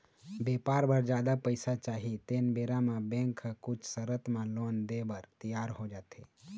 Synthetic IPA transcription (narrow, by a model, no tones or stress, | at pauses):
bepaɾbəɾd͡ʒad̪apəɪsat͡ʃaɦit̪enbeɾamãbẽŋkʰːəkut͡ʃʰsəɾət̪malond̪ebəɾt̪ijaɾɦod͡ʒat̪ʰe